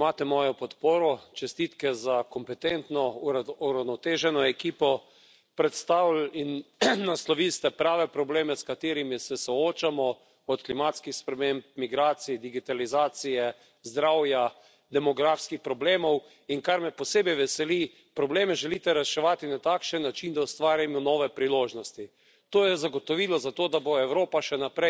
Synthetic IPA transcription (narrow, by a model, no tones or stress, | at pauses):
imaːt̪ɛmɔːjɔpɔt̪poːɾɔt͡ʃɛst̪iːt̪kɛzakɔmpɛt̪ent̪nɔuɾawnɔt̪eːʒɛnɔɛkiːpɔ | pɾɛt̪st̪awlinnaslɔʋilst̪ɛpɾaːʋɛpɾɔbleːmɛskat̪eːɾimisɛsɔoːt͡ʃamɔ | ɔt̪klimaːt̪skixspɾɛmemp̚miɡɾaːt̪sid̪iɡit̪alizaːt̪sijɛ | zd̪ɾawja | d̪ɛmɔɡɾafskixpɾɔbleːmɔw | iŋkaɾmɛpɔseːbɛjʋɛsɛli | pɾɔbleːmɛʒɛlit̪ɛɾɛʃɛʋaːt̪inat̪akʃənːat͡ʃind̪aust̪ʋaːɾjamɔnɔʋɛpɾiloːʒnɔst̪i | t̪oːjɛzaɡot̪ɔʋiːlɔzat̪oːd̪aboɛwɾoːpaʃɛnapɾɛ